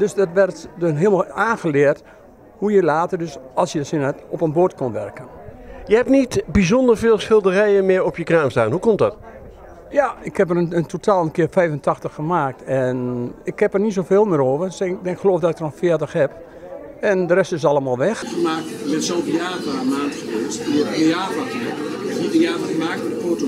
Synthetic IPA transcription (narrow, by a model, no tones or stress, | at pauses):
døsdɔtʋɛrtdɦɪəmaaːnxəlɪərt | hujəlaːtərdøsɑlˠsjəsɪnatɔpənbotkonʋɛrkənjəhɛp̚nitbizɔndəɹfɪːlˠsxɪlˠdərɛjənmɪəɹɔpjəkraːmsta̰ːnhukɔmtdɔt | jaɪkhɛp̬ərənəntʰotʰaːlˠənkɪərfɛjvəntʰɑxtəxːəmaːk̚tɛnɪkhɛpərnits̬ofeːlˠmɪəɾoːvəsɛdɛnɪkxəloːfdɔtɪk̚dərənfɪətəxhɛp | ɛndərɛstɪsɑlˠəmaːlˠʋɛxxəmaːk̚tɪɡ̚bɛnsoːvəjaːbaːəmaːntxəʋeːstəeaːvakiɪkɛpnitəjaːvəxəmaːk̚tmɛdəpoto